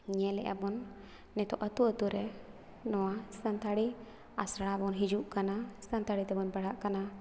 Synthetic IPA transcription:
ɲɛlɛ̰ʔa̰bɔnː | ɛt̪ɔʔət̪uət̪uɾɛ | nɔwast̪ʰant̪aɽi | asaɽabɔnɦid͡ʒuʔkanast̪ʰant̪aɽit̪ɛbɔnbaɽaʔkana

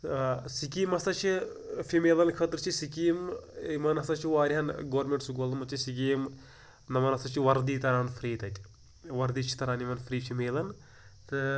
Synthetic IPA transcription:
sikiːmɐst̪ɐt͡ʃʰi | fimeːlɐnkʰət̪ɾɨt͡ʃʰisikiːmimɐnɐst̪ɐt͡ʃʰiʋaːɾʲiɦɐnɡoːɾmʲeɳʈsuɡoːlmɐt͡ʃʰisik̬iːm | nɐmɐnɐst̪ɐt͡ʃʰiʋɐɾd̪iːt̪ɐɾaːnfɾiːt̪ɐt̪ʲ | ʋɐɾd̪iːt͡ʃʰi̥t̪ɐɾaːnimɐnfɾiːfimeːlɐn | t̪ɨ

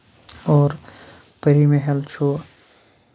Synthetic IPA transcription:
ɔːɾ | pəɾimeɦelt͡ʃʰu

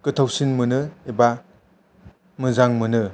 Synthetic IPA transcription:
kɯtʰawsinmɯnɯeba | mɯzaŋmɯnɯ

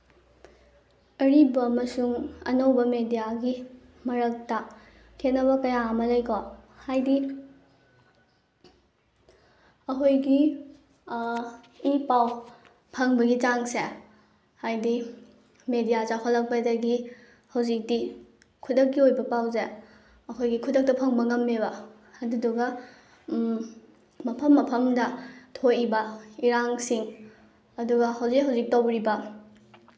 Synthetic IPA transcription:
ɐɾibɐmɐsuŋɐ̰nɐwbɐmedijaɡi | mɐɾɐk̚tɐ | kʰenɐβɐkɐjamɐlɐjkohajdi | ɐɦojɡi | ipaw | pʰɐŋbɐɡit͡ʃaŋse | hajdi | medijazapʰalːɐk̚pɐdɐɡi | hɐwzik̚di | kʰudɐk̚ːiojbɐpawze | ɐkʰojɡikʰudɐk̚tɐpʰɐŋbɐŋɐmːeβɐ | ɐduduɡɐ | mɐpʰɐmːɐpʰɐmdɐtʰojibɐiɾaŋsiŋ | ɐduɡɐɦɐwzikɦɐwzik̚tobɾibɐ

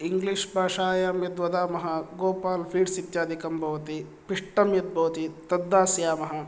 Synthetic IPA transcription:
iŋɡliʂbʱaːʂaːjaːmjɐd̪ʋɐd̪aːmɐɦɐɡoːpaːlpʰiːɖsit̪jaːd̪ʱikɐmbʱɐʋɐt̪i | piʂʈɐmjɐt̪̚bʱɐʋɐt̪it̪ɐd̪ːaːsjaːmɐɦɐ̆

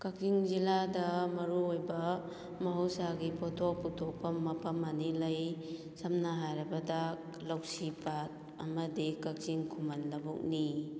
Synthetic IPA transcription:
kak̚ziŋziladɐmɐɾuojbɐ | mɐɦuwsaɡipʰɔtʰɔk̚putʰɔk̚pɐmːɐpʰɐmɐnilaj | sɐmnaɦajɾɐbɐdak | lawsipat̚ | ɐmɐdikak̚ziŋkʰumɐnlɐbuk̚ni

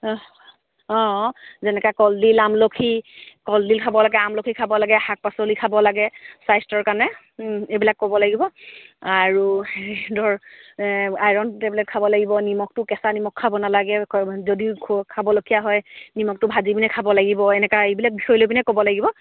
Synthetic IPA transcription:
ɔ̃zɛnɛkakɔldilamlokʰikɔldilkʰabɔlaɡɛamlokʰikʰabɔlaɡɛhak̚pasolikʰabɔlaɡɛsajstɔɹkanɛ | ebilakːobɔlaɡibɔaɹudɔɹ | ajɹɔntɛblɛt̚kʰabɔlaɡibɔnimɔk̚tʊkɛsanimɔkʰːabɔnalaɡɛzodikʰkʰabɔlokʰijaɦɔjnimɔk̚tʊbʱazibinɛkʰabɔlaɡibɔɛnɛkaejbilak̚bixɔjlobinɛkobɔlaɡibɔ

